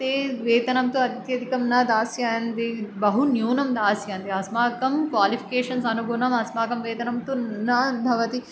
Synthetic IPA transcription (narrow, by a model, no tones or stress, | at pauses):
eːʋeːt̪ɐnɐmt̪oɐt̪jɐd̪ikɐmnɐd̪aːsjɐnd̪ibɐɦunjuːnɐmd̪aːsjɐːnd̪iɐsmaːkɐmkʋaːlipʰi̥keːʂɐnsɐnuɡunɐmɐsmaːkɐmʋeːt̪ɐnɐmt̪onɐbʱɐʋɐt̪i